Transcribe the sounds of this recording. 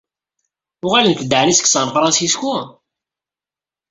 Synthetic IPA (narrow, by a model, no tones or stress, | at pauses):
ʊʁalənkəd̪aʕənisə̥kːsənfɾˤɑsisku